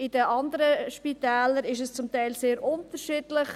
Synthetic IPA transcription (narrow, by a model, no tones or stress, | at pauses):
ɪd̥əʔɑnd̪əɾəʃpit̪æːləɾɪʃ̬əst͡sʊmtæɪlseːɾʊntəɾʃiːdlɪχ